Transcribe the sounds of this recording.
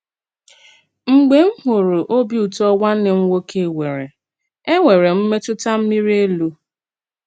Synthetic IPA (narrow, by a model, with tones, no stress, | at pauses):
ŋ͡m̩˦ɡ͡be˦m̩˦ɦʊ˨ɾʊ˨ʔo˦bi˦u˨tɔ˦wa˦n̩˦nɪ˨ŋ̩˦wo˦ke˦˨we˨ɾe˨ | e˦ŋʷe˨ɾe˨m̩˦me˦tʊ˦ta˦m̩˦mi˦ɾi˦e˦lu˦